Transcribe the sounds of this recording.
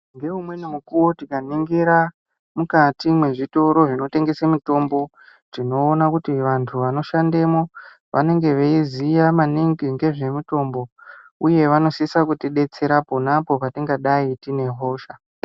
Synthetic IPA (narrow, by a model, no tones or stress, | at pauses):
ŋɡe̞umwe̞nemukuwotikaniŋɡiɾa | mukatimwe̞ʐito̞ɾo̞ʐino̞te̞ŋɡe̞samuto̞mbo̞ | tino̞ːnakutiʋantʰuʋano̞ʃande̞mo̞ | ʋʔa̰ne̞ŋɡe̞ʋeizijamaniŋɡiŋɡe̞ʐe̞muto̞mbo̞uje̞ʋano̞sisakutiɗe̞t͡se̞ɾapo̞napo̞patiŋɡaɗaitine̞ɦo̞ːʃa